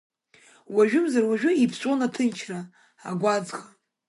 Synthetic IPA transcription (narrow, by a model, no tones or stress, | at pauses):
waʒᶣʊmzarwaʒᶣʊipʰsʷʼonatʰɨnt͡ʃʰra | a̰ɡʷad͡zχa